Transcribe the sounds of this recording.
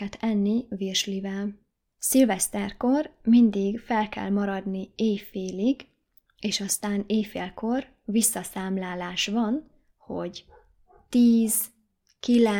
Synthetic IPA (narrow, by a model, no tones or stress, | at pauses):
ɛt̪ʰɛnːivirʃlivɛl | silvɛst̪ɛrko̞rmind̪iɡfɛlkɛ̰lmɒɾɒd̪nieːfeːliɡ | eːʃɒst̪aːneːfeːlko̞r | visːɒsaːmlaːlaːʃvɒn | ho̞̰ɟ | t̪iːz | kilɛ